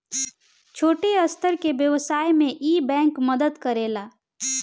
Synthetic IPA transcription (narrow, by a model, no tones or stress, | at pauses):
t͡ʃʰoːʈeəst̪ʰəɾkebjəʋsaːjmẽʔiːbɛ̃ːŋkməd̪əd̪kəɾeːlaː